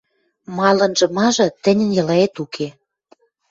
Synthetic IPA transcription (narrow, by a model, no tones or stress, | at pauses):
mɑlɤ̆nʒɤ̆mɑʒɤ̆t̪ɘ̆nʲə̆njɤ̆lɑet̪ukʰe